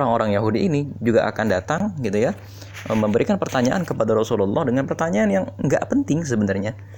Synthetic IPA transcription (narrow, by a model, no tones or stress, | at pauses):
oɾaŋoɾaŋjaɦudiːnid͡ʒuɡaʔa̰kandat̪aŋɡit̪uja | əməmbəɾikanpərt̪aɲaʔankəpadaɾɔsululːʔɔhdəŋanpərt̪aɲaːnjaŋŋɡa̰ʔpənt̪ɪŋs̬əbənarɲa